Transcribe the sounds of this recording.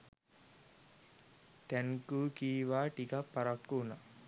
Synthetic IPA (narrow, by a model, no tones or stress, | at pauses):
t̪ɛnkuːkiːʋaːʈikapːaɾakːuna